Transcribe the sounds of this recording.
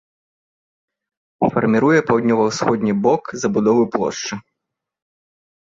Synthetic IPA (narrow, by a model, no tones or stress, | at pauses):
fɐ̰rmʲiɾujɛpawd̪nʲɔvɐwsxɔd̪ʲnʲibɔkzɐbud̪ɔvɨplˠɔ̰ʂt͡ʂɨ